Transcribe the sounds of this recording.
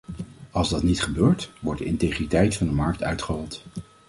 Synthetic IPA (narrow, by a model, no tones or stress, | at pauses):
ɑlˠzdɑtnitχəbøːɹtʋɔɹ̚dəɪntejχritɛjtfɑndəmɑɹk̚tœɥtχərɔlˠt